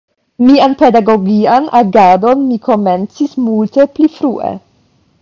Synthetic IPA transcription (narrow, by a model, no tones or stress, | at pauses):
mianpe̞daɡo̞ɡianʔaɡado̞nmikʰo̞me̞nt͡sismulte̞plifɾuʔḛ